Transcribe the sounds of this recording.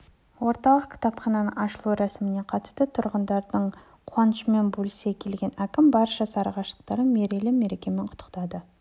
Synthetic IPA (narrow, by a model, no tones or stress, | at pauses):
wo̞ɾt̪ɑlˠəq̚kʲʰɪ̥t̪ɑpχɑnɑnəɴɑʃəlˠuɾæsɪmɪne̞qʰɑt̪ə̥st̪ət̪ʰʊɾʁənd̪ɑɾd̪əɴ | qʰwɑnəʃəme̞nbɵlɪse̞kʲʰe̞lɡʲe̞nækʲɪmbɑɾʃɑsɑɾʁɑʃlˠəq̚t̪ɑɾəme̞ɾe̞lɪme̞ɾe̞kʲe̞me̞ɴqʰʊ̥t̪ʰːəqt̪ɑd̪ə